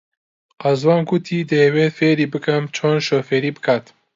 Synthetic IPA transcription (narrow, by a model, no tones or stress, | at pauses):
qɐzwɑːnɡut̪ʰiːd̪ewet̪feːɾiːbɨkʰɐmt͡ʃʰoːnʃofeɾiːbɨkʰaːt̪